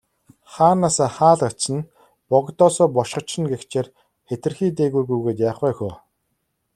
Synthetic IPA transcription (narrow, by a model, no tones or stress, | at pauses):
χaːnaːsaːχaːɮaə̆n | pɔɣt̪ɔːsɔːpɔʃɢɞ̆t͡ɕːɪ̆nɡext͡ɕʰeːr | xet̪ɘ̆rxiːt̪̬eːɣujɣujɣeːt̪jaːχæːxʊː